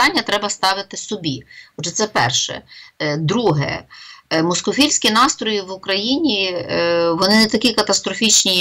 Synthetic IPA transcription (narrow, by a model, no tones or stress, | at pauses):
ɑnʲːɐt̪ɾɛbɐst̪ɑʋɪt̪ɪsɔbʲiɔdd͡ʒɛt̪sɛpɛrʃɛ̰d̪ɾuɦɛ̰ | mɔskɔfʲilʲsʲkʲinɑst̪ɾɔjiʋʊkɾɐjinʲi | ʋɔnɪnɛt̪ɐkʲikɐt̪ɐst̪ɾɔfʲit͡ʃnʲi